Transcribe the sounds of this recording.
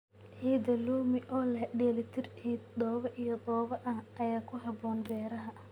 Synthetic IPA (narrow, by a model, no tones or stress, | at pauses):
hiːd̪ɐluːmɪʔɔːlɐɖɛːlɪt̪ʰɪrʰiːd̪ɔːβɐʔijɔd̪ɔːβɐʔɐhɐjaːkʰʊɦɐbɔːnbɛːɾɐɦɐ